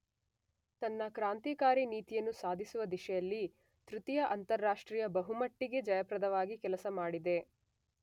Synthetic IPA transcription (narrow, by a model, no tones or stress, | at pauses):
t̪ɐnːɐkɾaːnt̪iːkaːɾiniːt̪ijɐnːusaːd̪ʱisuʋɐd̪iʃɛjɐlːi | t̪ɾut̪ijɐʔɐnt̪ɐɾːaːʂʈɾiːjɐbɐɦumɐʈːiɡe̞d͡ʒɐjɐpɾɐd̪ɐʋaːɡikɛlɐsɐmaːɽid̪e̞